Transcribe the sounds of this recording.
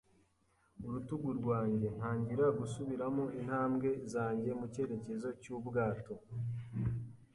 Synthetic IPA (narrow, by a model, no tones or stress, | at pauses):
uɾutuɡuɾɡwaːɲɟe̞n̥haːɲɟiɾaɡusuβiɾamoinhaːmɡe̞zaːɲɟe̞muce̞ɾe̞ce̞zo̞cubɡaːto̞